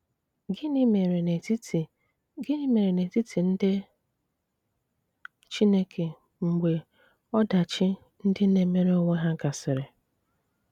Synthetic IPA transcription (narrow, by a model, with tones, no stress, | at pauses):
ɡn˦me˨ɾ | ɡɪ˦ni˦me˨ɾe˨ne˨ti˦tʰi˨n̩˦de˦ | t͡ʃi˦ne˦kʰe˨ | ŋ͡m̩˨ɡ͡be˨ | ɔ˦da˨t͡ʃɪ˦ | n̩˦dɪ˦ne˨me˦ɾe˦o˦ŋʷe˦ɦa˦ɡa˨sɪ˨ɾɪ˨